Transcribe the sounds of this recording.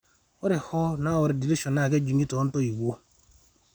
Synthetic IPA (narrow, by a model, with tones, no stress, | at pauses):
o˦ɾe˨hɔ˦na˦wɔ˨ɾɪ˨di˨li˦ʃo˨na˨ke˦d͡ʒi˨ŋi˦to˨˦n̩˦to˦i˨ɡo˦